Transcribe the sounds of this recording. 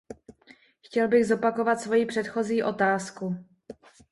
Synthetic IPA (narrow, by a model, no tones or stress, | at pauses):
xcɛlbɪɣzo̞pako̞vat̪svo̞jipr̝̥ɛt̪xo̞ziːʔo̞t̪aːsku